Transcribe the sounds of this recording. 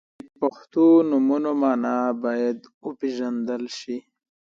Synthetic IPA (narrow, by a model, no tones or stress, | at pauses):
paxt̪unumunomɑːnabajad̪upeʒand̪əlʃi